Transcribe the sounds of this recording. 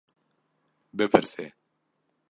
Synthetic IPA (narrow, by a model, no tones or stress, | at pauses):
bɨpʰɨɾseː